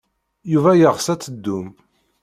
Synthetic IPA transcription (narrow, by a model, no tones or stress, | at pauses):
juvæjəʁsæt͡sːəd̪ːum